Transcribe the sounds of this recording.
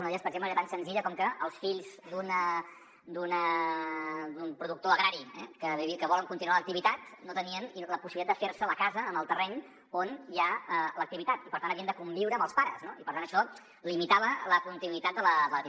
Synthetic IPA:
unəðeespəɾəɡzempləeɾət̪ansənziʎəkɔmkəʔəlˠsfiʎzd̪unə | d̪unə | d̪umpɾuðuk̚t̪oəɣɾaɾiɛ̰kəβiβikəβɔləŋkunt̪inualək̚t̪iβit̪at̪not̪əniəniləpusilitad̪d̪əfeɾsələkazəːmbəlˠt̪ərɛɲ | onjaələk̚t̪iβit̪at̪ipəɾt̪antəβiənd̪əkumbiwɾəːmbəlˠspaɾəznoipəɾt̪anəʃɔ | limit̪aβ̞ələkunt̪inuit̪at̪̚d̪ələd̪ələ

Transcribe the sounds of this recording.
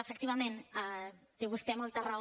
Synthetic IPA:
əfək̚t̪iβɐmẽnat̪eβust̪ɛmɔlˠt̪əra

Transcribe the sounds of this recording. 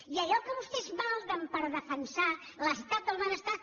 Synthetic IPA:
iəʎɔkəβust̪ezβalˠd̪əmpəɾðəfənsa | ləst̪at̪̚ːəlˠβanəst̪a

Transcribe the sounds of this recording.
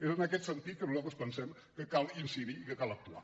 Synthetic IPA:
ezənəkɛt̪sənt̪it̪̚kəmlɔkəspənsɛm | kəkalˠinsiðiːkəkalək̚t̪ua̰

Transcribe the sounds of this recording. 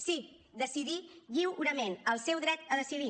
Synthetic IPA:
si | d̪əsiðiʎiwɾəmenəlˠsɛwðɾɛt̪əðəsiði

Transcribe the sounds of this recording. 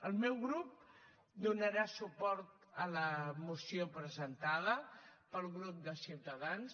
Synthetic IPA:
əlˠmɛwɣɾup̚ | d̪unəɾasupɔɾt̪ | ələmusiopɾəzənt̪aðəpəlˠɣɾup̚d̪əsiwt̪əðans

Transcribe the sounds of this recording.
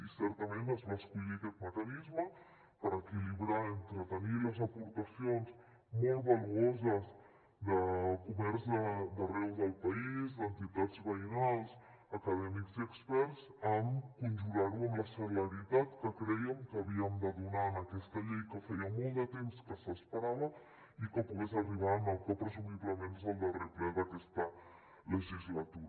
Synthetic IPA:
isɛɾt̪əmenəzβaskuʎiəkɛt̪̚məkənizmə | pəɾəkiliβɾaint̪ɾət̪əniləzəpuɾt̪əsionz | mɔlˠβəluozəz | d̪əkumɛɾzðəd̪ərɛwðəlˠpəiizd̪ənt̪it̪ad͡zβəinalˠs | əkəðɛmikziəkspɛɾzəmkunʒuɣaɾuəmləsəlləɾit̪at̪kəkɾɛjəmkəəβiəmd̪əðunanəkɛst̪əʎɛjkəfɛjəmɔlˠd̪ət̪emskəsəspəɾaβə | ikəpuɣezəriβ̞anəlˠpɔt̪ɾəzuɣipləmenzðəlˠd̪əriplɛðəkɛst̪ə | ləʒizlət̪uɾ

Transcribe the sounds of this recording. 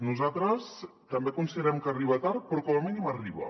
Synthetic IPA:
nuzat̪ɾəst̪əmbekunsiðəɾɛmkəriβət̪aɾ̚pɾɔkɔmaminimariβə̰

